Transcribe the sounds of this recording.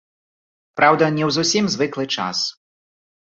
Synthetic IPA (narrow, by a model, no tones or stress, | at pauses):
pɾawd̪ɐnʲɛwzusʲimzvɨklˠɨt͡ʂa̰s